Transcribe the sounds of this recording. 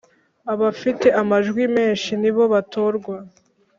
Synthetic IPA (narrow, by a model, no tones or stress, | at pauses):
aβafite̞ʔamaʒɡwime̞ːnʃiniβo̞βato̞ɾɡwa